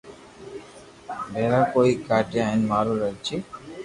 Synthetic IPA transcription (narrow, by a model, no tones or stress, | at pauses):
bɛɾakoikaʈeajnmaɾuɾajt͡ɕʰi